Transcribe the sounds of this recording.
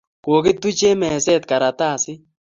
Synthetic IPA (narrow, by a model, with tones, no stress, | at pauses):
ko˨kɪ˦t̪u˦t͡ʃe˦mɛ˨sɛ˦t̪̚ka˨ɾa˨t̪a˦˨sɪ˦